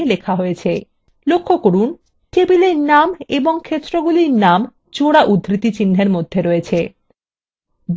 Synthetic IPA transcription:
elekʰaɦoet͡ɕʰe | lokʰːokoɾun | ʈebileɾnameboŋkʰet̪ːɾoɡuliɾnam | t͡ɕoɽaʔud̪ʱːɾit̪it͡ɕin̤ːʱeɾmod̪ʱːeɾoet͡ɕʰe | b

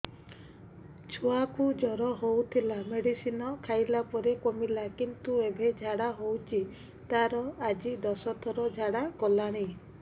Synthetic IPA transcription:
t͡ʃʰuakud͡ʒɔɾɔɦowt̪ʰilameɽisinɔkʰajlapɔɾekomilakint̪uebʱed͡ʒʱaɽaɦowt͡ʃʰi | t̪aɾɔad͡ʒid̪ɔsɔt̪ʰɔɾɔd͡ʒʱaɽakɔlaɽ̃i

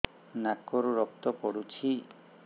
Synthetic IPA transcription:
nakoɾuɾɔp̚t̪ɔpoɽut͡ʃʰi

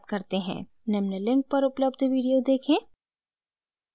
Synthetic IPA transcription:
p̪̚kɐɾt̪eɦɛ̰̃ː | nɛmnəlɪ̃ŋk̚pɐɾʊpləbd̪ʋiːɖijod̪eːkʰẽː

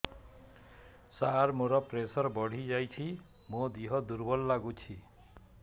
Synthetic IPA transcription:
saɾmoɾɔpɾesɔɾbɔɽ̤id͡ʒajt͡ʃʰi | mod̪iɦɔd̪uɾbɔlːaɡut͡ʃʰi

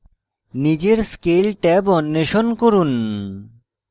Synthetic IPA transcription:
nid͡ʑeɾskelʈabɔnːeʃonkoɾun

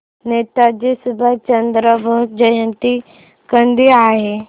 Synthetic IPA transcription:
net̪ad͡ʑisubʱət͡ɕənd̪ɾəbʱəɦ̚d͡ʑəjənt̪i | kənd̪iaɦe

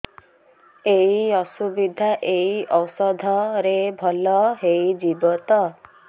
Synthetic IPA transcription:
eiɔsubid̪ʱaʔeiʔɔsɔd̪ʱɔɾebʱɔlɔɦeid͡ʒibɔt̪ɔ

